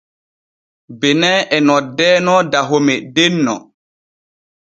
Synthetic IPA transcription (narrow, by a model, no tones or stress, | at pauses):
bɛnɛːʔɛnɔdɛːnɔdaɦomɛdenːɔ̰